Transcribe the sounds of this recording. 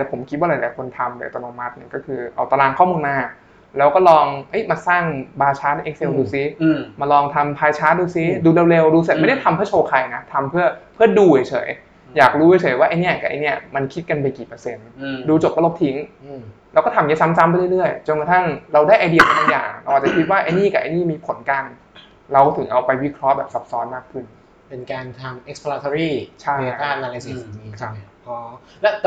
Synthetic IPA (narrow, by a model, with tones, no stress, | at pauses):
ɛ˨˦˥pʰo˨˩˦mkʰi˦t̪̚waː˥˩la˨˦laː˨˦jkʰo˧nt̪ʰa˧mdɯ˨˩˨t̪ɔː˧noː˧ma˦˥t̪̚nɯ˧˩kɔː˥˩kʰɯː˧ʔa̰˧wt̪a˧laː˧ŋkʰɔ˥˩muː˧nmaː˧˩ | lɛː˦˥wkɔː˥˩lɔː˧ŋʔɤ˦˥jmaː˧saː˥˩ŋbaː˧t͡ɕʰaː˦˥na˧˥ʔe˦˥k̚se˧wduː˧si˦maː˧lɔː˧ŋt̪ʰa˧mpʰaː˧jt͡ɕʰaː˦˥duː˧si˦˥duː˧le˧wle˧wduː˧s̚ma˥˩da˥˩t̪ʰmpʰɯː˥˩˨t͡ɕʰoː˧kʰa˧jna˦˥t̪ʰa˧mpʰɯ˥˩ɐpʰɯ˥˩ɐduː˧he˨˩jt͡ɕʰɤ̰ː˩˦j | jaː˨˩k̚ɾuː˦˥he˧˩˦t͡ɕʰɤː˨˩˦jwaː˥˩ʔa˧jni˦˥ɐka̰˨˩ʔa̰˧jni˦˥˩ɐma˧nkʰi˦˥t̪̚ka˧npa˧jkiː˨˩pɤː˧se˧nduː˧t͡ɕo˨˩p̚kɔː˥˩lo˦˥t̪ʰi˦˥ŋʔlɛ˦˥wkɔː˥˩a˧mja˦˥sa˦˥msa˦˥mpjɾɯ˥˩ɾɯ˥˩əjt͡ɕo˧nka˨˩t̪ʰa˥˩ŋɾa˧wdaː˥˩jʔaː˧jdi˨˩ə˩t̪̚ba˧˩ja̰ː˨˩ŋɾa˧wʔaː˨˩t͡ɕa˨˩kʰi˦˥t̪̚waː˥˩ʔa˧jniː˥˩kaː˨˩ʔa˧jniː˥˩miː˧pʰo˨˩˦nka˧n | ɾa˧wt̪ʰɯ˩˦ŋʔa˧wpa˧jwi˦˥kʰɾɔ˦˥ʔbɛː˨˩p̚sa˦˥p̚sɔː˦˥nmaː˥˩k̚kʰɯ˥˩n | pe˧nkaː˧nt̪ʰa˧mʔe˦˥k̚spʰlaː˧t̪ʰo˧ɾiː˥˩t͡ɕʰa˥˩˧t̪aː˥˩nʔa˧la˧si˧˩˧i˨˩iː˧˩kʰa˦˧˩ʔɔ˧˩ | lɛ˦˥